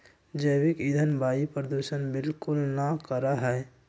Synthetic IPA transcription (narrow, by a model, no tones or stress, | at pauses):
d͡ʒəɪwɪkɪd̪ʱənbʱaːipɾəd̪uːʃənbɪlkʊlnakəɾaɦɛː